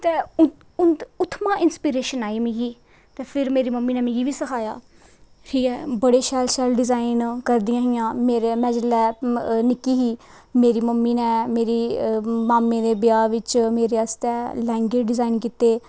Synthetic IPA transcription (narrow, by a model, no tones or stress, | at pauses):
t̪eːʊ | ʊnʊt̪ʰːmãːɪnspiːɾeːʃənaːiːmɪ̃ɡiː | t̪eːpʰɪɾmeːɾiːməmːiːnɛːmɪ̃ɡiːʋiːsəkʰaːja̰ː | hʰiːkɛːbəɽeːʃɛːlʃɛːlɖɪzaːinkəɾd̪ɪjãːɦɪjãːmeːɾemɛ̃ːd͡ʒəlːɛːnɪkːiːɦiː | meːɾiːməmːiːnɛ̃ːmeːɾiːmaːmːẽːd̪eːbɪjaːʋɪt͡ʃmeːɾeːast̪ɛːlɛ̃ːŋɡeːd͡ʒɖɪzaːinkit̪eː